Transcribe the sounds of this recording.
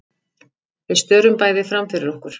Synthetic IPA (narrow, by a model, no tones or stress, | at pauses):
vɪðst̪œːɾʏmpaːjðɪfɾamfɪɾɪɾɔhkʏɾ̥